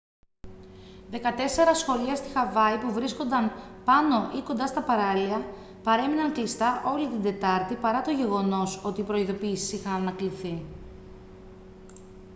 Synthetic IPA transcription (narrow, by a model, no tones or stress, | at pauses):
ðe̞kɐt̪e̞se̞ɾɐsxo̞liɐst̪ixɐvɐipuvɾisko̞nd̪ɐnpɐno̞ʔiko̞nd̪ɐst̪ɐpɐɾɐliɐ | pɐɾe̞minɐŋklist̪ɐʔo̞lit̪ind̪e̞t̪ɐɾt̪ipɐɾɐt̪o̞ʝe̞ɣo̞no̞so̞t̪iːpɾo̞iðo̞piːsi̥sixɐnɐnɐkliθi